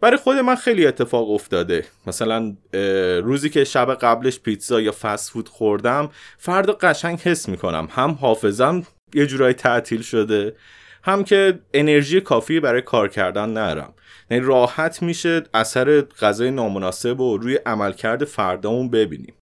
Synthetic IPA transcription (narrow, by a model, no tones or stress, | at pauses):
væɾijxo̞d̪e̞mænxe̞jlie̞t̪ʰːe̞fɒːɣo̞ft̪ɒːd̪e̞mæsælæn | ruːziːcʰe̞ʃæbeɣæble̞ʃpʰit̪sɒːjɒːfæsfuːd̪̥xoɾd̪æmfæɾd̪ɒːɢæʃæɲɟhe̞sːmiːkʰo̞næ̰mhæmɦɒːfe̞zæm | je̞d͡ʒuːɾɒːjit̪ʰæʔt̪ʰiːlʃo̞d̪e̞ | hæmcʰe̞ene̞ɾʒiːjekʰɒːfiːibæɾɒːjekʰɒːɾcʰæɾd̪ænːæd̪ɒ̰ɾæ̰m | jænirɒːhæt̪ʰmiːʃe̞ʔæsæɾe̞ɢ̥æzɒːjenɒːmonɒːse̞boɾuːjeʔæmælcʰæɾd̪e̞fæɾd̪ɒːmunbe̞bḭːnḭm